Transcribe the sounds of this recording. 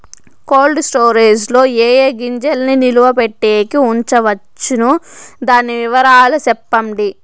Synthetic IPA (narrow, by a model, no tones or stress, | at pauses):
ko̞ːlɖsʈoːɾiːd͡ʒlo̞ːeːjeːɡiɲd͡ʒɐlniniluʋɐpeʈːeːkiuɲt͡ʃɐʋɐt͡ʃːinud̪aːniʋiʋɐɾaːlusɛpːɐmɖi